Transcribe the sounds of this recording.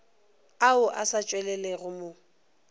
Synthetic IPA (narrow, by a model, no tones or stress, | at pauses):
aʊʔasat͡ʃʼwɛlɛlɛɣʊmo